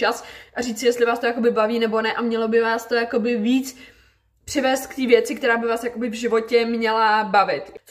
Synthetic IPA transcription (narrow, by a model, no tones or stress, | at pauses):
asʔariːt͡sɪjɛst̪lɪvaːst̪o̞jakobɪbaviːnɛbo̞nɛʔamɲɛlo̞bɪvaːst̪o̞jako̞bɪviːt͡s | pr̥ɪvɛːst̪̚kt̪iːvjɛt͡sɪkt̪ɛɾaːbɪvaːsjako̞bɪvʒɪvo̞cɛmɲɛlabavɪt̪